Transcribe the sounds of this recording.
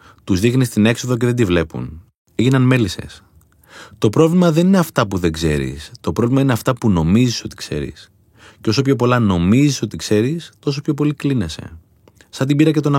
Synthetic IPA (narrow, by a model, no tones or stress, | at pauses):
t̪uzðixnist̪ine̞kso̞ðo̞c̬e̞ðe̞nd̪ivle̞pṵn | eʝinɐnme̞lise̞̰s | t̪o̞pɾo̞vlimɐðe̞nineɐft̪ɐpuðe̞ɡze̞̰ɾḭst̪o̞pɾovlimɐine̞ɐft̪ɐpuno̞miziso̞t̪i̥kse̞̰ɾḭs | ceo̞so̞pço̞po̞lɐno̞miziso̞t̪ikse̞ɾist̪o̞s̬opçop̬o̞liklinese̞̰ | sɐnt̪ibiɾɐcet̪o̞nɐ